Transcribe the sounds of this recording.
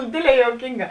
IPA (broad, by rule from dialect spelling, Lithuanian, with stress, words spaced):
ˈdʲeːdʲˌlʲɛː juɔˈkʲiːŋˌɡɑː